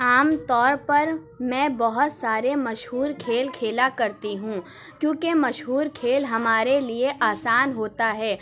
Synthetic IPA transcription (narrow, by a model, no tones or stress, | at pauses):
aːmt̪ɔːɾpɐɾ | mɛ̃ːbɐɦʊt̪saːɾemɐʃɦuːɾkʰeːlkʰeːlakɐɾt̪iɦũ | kjõːkemɐʃɦuːɾkʰeːlɦɐmaːɾelieʔaːsaːnɦoːt̪aɦɛː